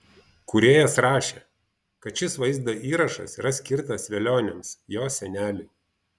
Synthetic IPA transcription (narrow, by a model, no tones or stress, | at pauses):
kʊɾʲeːjɛsɾɑːʃʲeː | kɐt̪t͡ʃʲɪsʋɐɪzd̪ɐʔiːɾɐʃɐ̰sḭɾɐsʲkʲɪɾt̪ɐsʋʲɛlʲoːnʲɛmsjoːsʲɛnʲæːlʲɪ